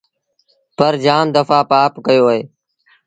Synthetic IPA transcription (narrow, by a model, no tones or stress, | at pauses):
pəɾd͡ʒaːmd̪əfaːpaːpkəjoːɦeː